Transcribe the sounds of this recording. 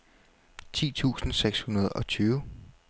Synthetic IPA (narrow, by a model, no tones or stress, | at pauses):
t͡sʰḭːt͡sʰṵːsn̩seɡ̥shunɐð̞ˠɒ̽t͡sʰyːʊ